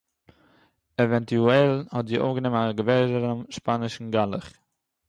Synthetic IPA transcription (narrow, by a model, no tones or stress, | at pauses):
ɛvɛntuɛlˠhɔtziːʔo̰fɡənɪmnaɡəbɛɾdəɾəmʃpanɪʃn̩ɡalˠəχ